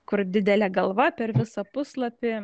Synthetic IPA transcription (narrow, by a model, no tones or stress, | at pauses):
kʊɾd̪ʲɪd̪ʲɛlʲɛːɡɐlˠʋɐpʲɛɾʋʲɪsɐpʊsslˠɐpʲɪ